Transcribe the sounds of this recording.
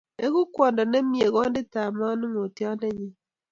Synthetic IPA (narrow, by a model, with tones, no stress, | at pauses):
e˦ɣu˦kwɔ˨ndɔ˨ne˦mje˨ɣɔ˦nde˦ta˨ma˦nu˦ŋo˨ti˦a˦nde˦ɲi˦